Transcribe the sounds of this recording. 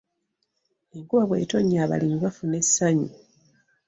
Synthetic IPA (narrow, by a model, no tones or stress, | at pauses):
eŋkuβaβwe̞̰ːtoɲːaːβa̰limiβafune̞sːaɲi